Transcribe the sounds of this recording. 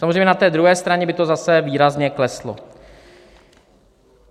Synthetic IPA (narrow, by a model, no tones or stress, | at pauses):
samozrejmɲɛnat̪ɛːd̪ɾuɦɛːst̪ɾaɲɛbɪt̪o̞zasɛviːɾazɲɛklɛslo̰